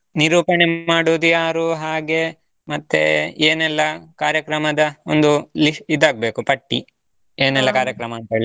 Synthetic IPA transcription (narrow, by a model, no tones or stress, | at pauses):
niɾuːpɐɳemaːɽoːd̪ujaːɾuɦaːɡe̞ | mɐt̪ːḛeːnɛlːɐkaːɾjɐkɾɐmɐd̪ɐond̪uliʂʈid̪ːaːɡ̚be̞ːkupɐʈːi | eːnɛlːɐkaːɾjɐkɾɐmɐːnt̪ɐeɭi